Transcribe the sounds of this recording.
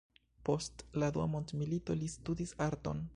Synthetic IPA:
po̞stladua̰mo̞ntmilito̞listudisaɾto̞̰n

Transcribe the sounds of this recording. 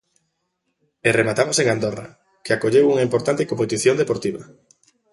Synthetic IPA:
eremat̪amoseŋand̪ora̰ | keakoʎewuŋaimpoɾt̪ant̪ɪkompet̪iθjond̪epoɾt̪iβɐ

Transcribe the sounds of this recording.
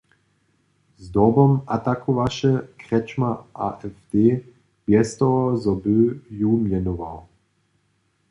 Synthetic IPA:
zd̪ɔbɔmat̪akʰuʋaʃɛkʁɛt͡ʃmaʔaʔɛfd̪̥eː | b̥jɛst̪ɔɔzɔbøjumjɛnuva̰w

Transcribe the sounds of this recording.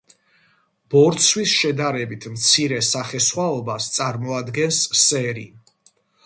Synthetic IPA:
b̥ɔɾt̪sʰwisʃɛd̪aɾɛbit̪ʰmt̪sʰiɾɛsaχɛsχwaɔbast̪sʼaɾmɔad̪ɡɛnsːɛɾi

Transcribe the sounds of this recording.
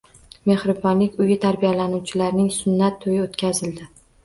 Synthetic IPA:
me̞hɾɪbɒnlɪkʲʊjɪt̪ʰaɾbijalanuwt͡ʃʰɪlaɾnɪŋsʊnːat̪ʰːojɪot̪kʲazɪld̪ɪ

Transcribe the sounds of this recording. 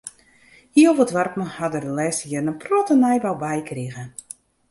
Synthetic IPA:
hiəovətʋarpməhadərdəlɛːsəjərnənprɔtənɛjbawbɛjkriɣə

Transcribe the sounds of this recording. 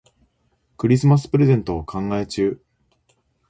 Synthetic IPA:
kɯ̟ɾʲis̬ɨmas̬ɨ̥pɯɾe̞zẽ̞nt̪o̞ːkʰãŋɡae̞t͡ɕɨː

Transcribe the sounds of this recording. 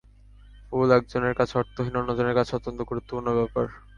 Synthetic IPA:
fulɛk̚d͡ʑoneɾkat͡ɕʰeɔɾt̪ːoɦinɔnːod͡ʑoneɾkat͡ɕʰɔt̪ːont̪oɡuɾut̪ːopuɾnːoβɛpaɾ

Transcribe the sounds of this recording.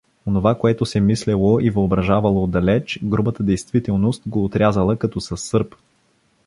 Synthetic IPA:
onovakoɛt̪osɛmislɛlˠoʔivəobɾɐʒavəlˠod̪ɐlɛt͡ʃɡɾubət̪əd̪ɛjst̪vit̪ɛlˠnost̪ɡoːt̪ɾʲazəlˠəkɐt̪ɔsɐsːɤɾp

